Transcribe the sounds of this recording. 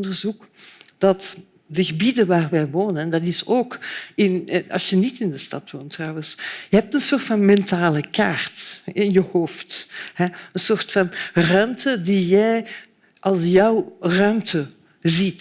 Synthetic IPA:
ɔndərzukd̥ɑt | dəɣəbidəʋaːrʋɛjʋoːnəndɑtɪsoːkɪnɑ̰lˠsjənitɪndəstɑ̰tʋoːntːrɑwənsjəɦɛp̚tənsoːrtfɑnmɛntaːləkaːrtɪnjəhoːfthɛənsoːrtfɑnrœɥmtədijɛj | ʔɑlˠsjœwrœɥmtə | zit

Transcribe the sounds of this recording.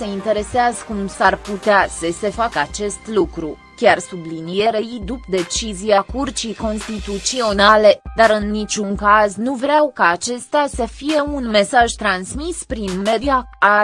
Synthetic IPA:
se̞int̪e̞ɾe̞seazəkumsarput̪easəse̞fakəat͡ʃe̞st̪lukɾu | kʲarsublinie̞ɾeid̪upd̪e̞t͡ʃiziakurt͡ʃijko̞nst̪it̪ut̪sio̞nale̞d̪aɾɨnːit͡ʃʲuŋkaznuvɾeawkaːt͡ʃe̞st̪easəfije̞unme̞saʒt̪ɾansmispɾinme̞diaa

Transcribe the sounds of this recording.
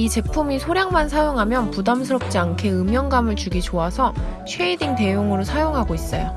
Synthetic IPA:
it͡ɕe̞pʰumisʰoɾjaŋmansʰajoŋɦamjʌnpudamsʰɯɾʌp̚t͡ɕ͈iankʰe̞ɯmjʌŋɡamɯɭt͡ɕuɡit͡ɕoasʰʌ | t͡ɕʰweidiŋte̞joŋɯɾosʰajoŋɦaɡois͈ʌ̰jo

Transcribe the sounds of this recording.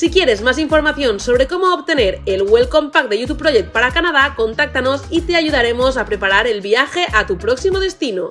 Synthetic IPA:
sikje̞ɾe̞zmaz̬iɱfo̞ɾmaθjo̞nso̞β̞ɾe̞komoːβt̪eneɾelɣwelkompak̚d̪eʝut̪upːɾoʎek̚t̪̚paɾakanað̞ako̞nt̪ak̚t̪ano̞sit̪e̞aʝuð̞aɾe̞mozapɾe̞paɾaɾelβiaxe̞ʔat̪upɾoksimoð̞e̞st̪ino

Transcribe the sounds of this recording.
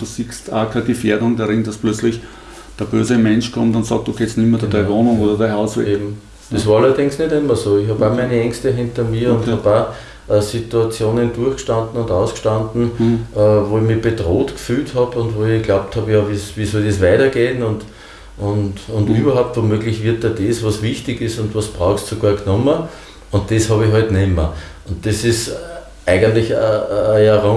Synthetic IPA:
d̥usikstʰa̰ːkʰaɡɪfeːɐdʊŋdaʁɪnd̥asplœt͡slɪç | d̥əɐb̥øːzəmɛ̃nʃkʰɔmtʊntsɑːk̚tokʰet͡stnimɐdɐd̥aɪvoːnʊŋoːdɐdaɪhaʊseːbm̩ | d̥esʋaːɐalɐdɪŋsnedɪmːɐsoːɪçhaːbamæɪnəɛŋstəɦɪ̃ntɐmiːɐʊ̃ntaba | ʔɐsituat͡sjoːnənd̥uɐxkʃtãndn̩ʊndaʊskʃtandn̩əʋoːɪçmib̥edʁoːtkfyːlthɑbʊ̃ndvoːɪɡ̥laʊp̚thɑbjɑʋiːsʋiːsɔldesʋæɪtɐɡ̥eːnʊnd | ʊndʊndyːbɐɦaʊp̚tvomøːɡlɪçʋɪɐt̚dɛɐdesvɑsvɪçtɪɡɪsʊ̃ndvɑsb̥ʁaʊxssoɡaːɐɡnɔmə | ʊ̃ntd̥eshɑbɪɦɔɪtnɛmə | ʊntd̥esɪs | ʔæɪɡəntlɪçəːjaʁo

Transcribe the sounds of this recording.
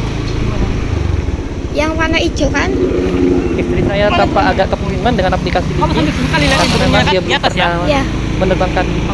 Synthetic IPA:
jaŋwanai̥d͡ʒə̤ŋan | ist̪ɾisajat̪ampaʔːɡaʔkəpukimandəŋanaplikasidiasumemaŋdiabəlpərnamaja | mənərbaŋkan

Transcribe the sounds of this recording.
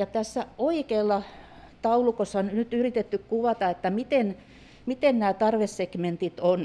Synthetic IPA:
jɑt̪æsːæoikeːlːɑ | t̪ɑulukosːɑnnyt̪yrit̪et̪ːykkuʋɑt̪ɑet̪ːæmit̪en | mit̪ennæːt̪ɑrʋessekment̪it̪on

